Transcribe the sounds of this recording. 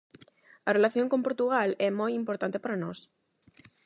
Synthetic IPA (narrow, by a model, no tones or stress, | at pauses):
arelaθjoŋkompoɾt̪uɣ̞alɛmojimpoɾt̪ant̪epaɾanos